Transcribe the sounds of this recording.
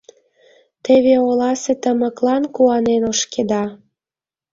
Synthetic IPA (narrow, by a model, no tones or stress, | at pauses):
t̪eβeolɑset̪əmə̆klɑnkuɑnenoʃked̪ɑ